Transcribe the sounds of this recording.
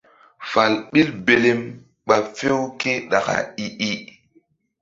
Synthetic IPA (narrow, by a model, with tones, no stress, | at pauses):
fa˨lɓi˦lbe˦le˦m | ɓa˨fe˦wke˦ɗa̰˨ka̰˨i˦ʔi˦